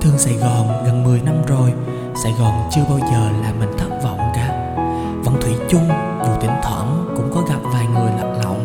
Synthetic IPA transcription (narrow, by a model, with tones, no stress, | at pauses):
t̪ʰɨ˨˩əŋsa˧˩jɣɔː˨˩nɣə˨˩nmɨ˨˩əjna˧mzo˨˩j | sa˧˩jɣɔː˨˩nt͡ɕɨ˧əɓaː˧wzəː˨˩laː˨˩mï˨˩ŋ̟t̪ʰə˦˥p̚vaː˨˩ʔʊ˨˧˩ŋ͡mkaː˨˦p̚ | və̰˧˥nt̪ʰwi˧˩t͡ɕʊ˧ŋ͡m | vṵ˧˩˨t̪i˧˩əŋt̪ʰwə̰ː˧˩nkʊ̰˧˥ŋ͡mkɔ˨˦ɣa˨˩p̚vaː˨˩jŋɨ˨˩əjla̰˧˨ŋ̚lɔ̰˧˨wŋ͡m